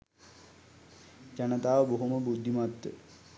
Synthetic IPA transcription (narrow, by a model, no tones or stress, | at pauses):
d͡ʑanət̪aːʋəboɦuməbud̪ʱːimat̪ːə̰